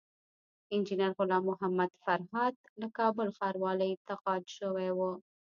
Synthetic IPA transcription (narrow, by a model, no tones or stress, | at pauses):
ɪnd͡ʒinaɾɣʊlɑmʊɦamad̪faɾɦɑd̪lakɑbʊlxɑɾwɑləjt̪aqɑd̪ʃəwewu